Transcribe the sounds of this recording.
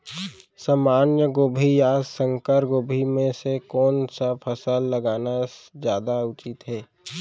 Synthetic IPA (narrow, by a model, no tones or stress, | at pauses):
samaːnjəɡoːbʱijaːssə̃ŋkəɾɡoːbʱimẽsekɔːnsapʰəsəlːəɡaːnazjaːd̪aʊt͡ʃɪt̪ɦɛː